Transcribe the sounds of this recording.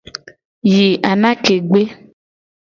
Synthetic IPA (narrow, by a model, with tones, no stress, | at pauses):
ji˨ʔa˨nã˦ke˨ɡ͡be˦